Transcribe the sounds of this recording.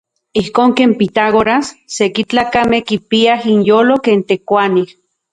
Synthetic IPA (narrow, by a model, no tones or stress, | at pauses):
ihkoːŋkeːmpit̪aɣoɾasːekit͡ɬaːkamehkipiaɦinjoːlokeːnt̪ekʷanih